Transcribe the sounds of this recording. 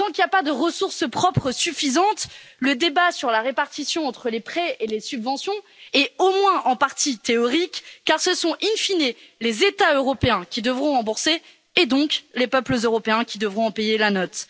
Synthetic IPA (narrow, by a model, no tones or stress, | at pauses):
t̪ɑ̃kiljapad̪əʁəsuʁspχɔpχəsyfizɑ̃t̪ləd̪ebasyʁlaʁepaʁt̪isjɔ̃ɑ̃t̪χəlepχɛelesybvɑ̃sjɔ̃ | ɛomwɛ̃ʔɑ̃paʁt̪it̪eɔʁikːaʁsəsɔ̃ʔinfinelezet̪aøʁɔpeɛ̃kʲid̪əvʁɔ̃ʁɑ̃buʁseː | d̪ɔ̃klepœpləzøʁɔpeɛ̃kʲid̪əvʁɔ̃ɑ̃pejelanɔt̪